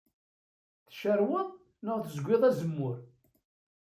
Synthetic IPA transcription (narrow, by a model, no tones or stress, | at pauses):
θəʃəɾwəðˤ | nəʁθəzɡʷɪðˤæzəmːʊɾ